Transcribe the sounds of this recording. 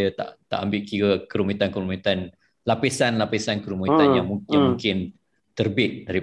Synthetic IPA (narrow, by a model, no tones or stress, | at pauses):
jət̪a̰ʔt̪a̰ʔambɪlkiɾəkəɾumit̪ankəɾumit̪an | lapisanlapisankəɾumĩt̪anjaŋujãŋmũŋŋkɪn | t̪ərbɪt̪̚daɾi